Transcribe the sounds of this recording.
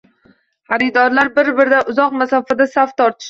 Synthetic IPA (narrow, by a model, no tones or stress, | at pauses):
haɾɪd̪ɒɾlaɾbɪɾbɪɾd̪aʔʊzɒqmasɒfad̪asaft̪ʰɒɾt̪ʰɪ̥ʃ